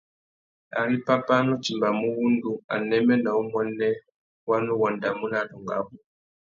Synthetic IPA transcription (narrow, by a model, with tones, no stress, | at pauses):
a̰˨ɾi˦pa˦pa˦nu˦t͡ʃi˨mba˨mu˦wu˦ndu˦a̰˨nɛ˦mɛ˦na˨u˦mɔ˦nɛ˦ | wa˦nu˦wɔ˨nda˨mu˦na˦tu˨ŋɡa˨˦βu˨